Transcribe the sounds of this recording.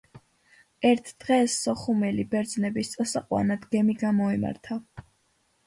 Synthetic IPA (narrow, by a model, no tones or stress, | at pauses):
ɛɾt̪ʰd̪̥ʁɛsːɔχumɛlibɛɾd̪znɛbist̪sʼɔsaqʼwa̰nad̪ɡɛmiɡamɔima̰ɾt̪ʰa